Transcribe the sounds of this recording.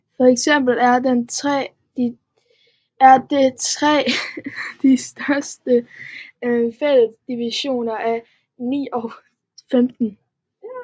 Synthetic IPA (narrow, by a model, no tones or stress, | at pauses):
fɒ̽eɡ̥sem̰b̥l̩æɐd̥ent͡sʰʁɛ̰ː | d̥i | æɐd̥et͡sʰʁɛ̰ː | d̥isd̥ɶɐsd̥ə | øfeləsd̥iʋiɕo̝̰ːnɐʔæ | nḭːɒʊ | femd̥n̩